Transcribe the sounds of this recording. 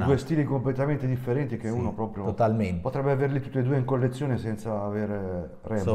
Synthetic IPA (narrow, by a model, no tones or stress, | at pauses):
duːest̪iːlikomplet̪ament̪ed̪ifːeɾɛnt̪ik̟euːnopɾɔːpɾjoot̪almenpot̪ɾɛbːeaveɾlit̪ut̪ːed̪uːeiŋkolːet̪sːjoːnesɛnt̪saːveɾe | rɛ